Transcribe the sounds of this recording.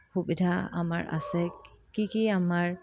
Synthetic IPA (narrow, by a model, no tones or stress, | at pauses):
xubidʱaa̰ma̰ɹʔa̰sɛkikiamaɹ